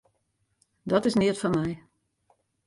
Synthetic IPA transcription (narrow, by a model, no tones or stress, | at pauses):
dɔtɪsnɪətfɔnmɛj